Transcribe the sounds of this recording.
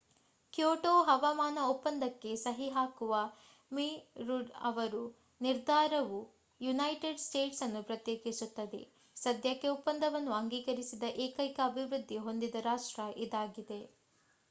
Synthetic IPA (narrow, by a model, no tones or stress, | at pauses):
kjoːʈoːɦɐʋɐmaːnɐupːɐnd̪ɐkːe̞sɐɦiɦaːkuʋɐ | miːɾuɖɐ̰ʋɐɾu | niɾd̪ʱaːɾɐʋu | junɐjʈeɖsʈe̞ːʈsɐnːupɾɐt̪jeːkisut̪ːɐd̪e̞̰ | sɐd̪ʱjɐkːeupːɐnd̪ɐʋɐnːuɐŋɡiːkɐɾisid̪ɐʔeːkɐjkɐːbʱiʋɾud̪ʱːiɦo̞nd̪id̪ɐɾaːʂʈɾɐʔid̪aːɡid̪e̞